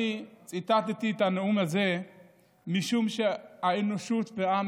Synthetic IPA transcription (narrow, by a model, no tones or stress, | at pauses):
it͡sʼit̪at̪it̪it̪aneumhaze̞ | miʃumʃeaenoʃut̪beam